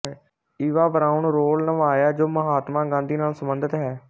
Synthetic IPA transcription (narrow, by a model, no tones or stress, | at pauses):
iːʋaːbəɾaːuɳɾoːlnəʋaːjaːd͡ʒoːməɦaːt̪mãːɡãːnd̪iːnaːlsəmbənd̪ət̪ɦɛː